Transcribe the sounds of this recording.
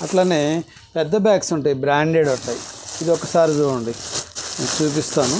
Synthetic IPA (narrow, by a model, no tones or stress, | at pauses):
ɐʈlaːneː | pɛd̪ːɐbjaːksuɳʈeːibɾaːɳɖeːɽuɳʈːaːjiid̪iɔkːɐsaːɾid͡ʒuːɽɐɳɖi | t͡ʃuːp̬ist̪aːnu